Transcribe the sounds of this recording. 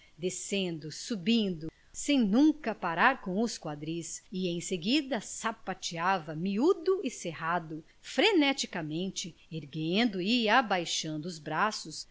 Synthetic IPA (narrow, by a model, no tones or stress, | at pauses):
d̪esẽnd̪ʊsubĩnd̪ʊ | sẽj̃nũkɐpaɾaɾkõw̃ʊskwad̪ɾisɪẽj̃seɡid̪ɐsapat͡ʃiavɐmiud̪ʊɪsehad̪ʊ | fɾenɛt͡ʃikɐmẽnt͡ʃɪeɾɡẽnd̪ʊɪabajʃɐ̃nd̪ʊːzbɾasʊs